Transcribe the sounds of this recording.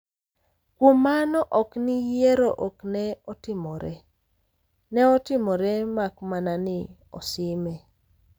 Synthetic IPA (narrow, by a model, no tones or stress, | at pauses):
kwomanɔʔɔknɪjeɾoʔoknɛɔtɪmɔɾɛ | nɛɔtɪmɔɾɛmakmananɪ | ɔ̰sɪmɛ